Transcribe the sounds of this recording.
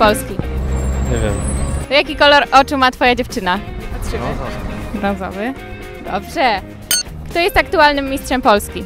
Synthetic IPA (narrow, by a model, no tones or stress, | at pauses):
pɔlskʲiɲevʲjɛ̰mɔjakʲikɔlɔɾʔɔt͡ʂɘmat̪fɔjad͡ʑɛft͡ʂɘnapatʂɘɘbɾɔzɔ̰vɘ | d̪ɔ̰bʐɛ | kt̪ɔjɛst̪ak̚t̪ualnɘmːʲist̪ʂɛmpɔlskʲi